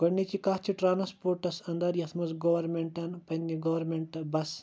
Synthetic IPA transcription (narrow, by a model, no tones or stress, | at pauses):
ɡɐɳːit͡ʃikɐɦt͡ʃʰiʈɾaːnɐspoːɾʈɐsɐnd̪ɐɾjɐt̪ʰmɐzɡɐʋɐɾmeɳʈɐnpɐnɡiɡɐʋɐɾmeɳʈbɐs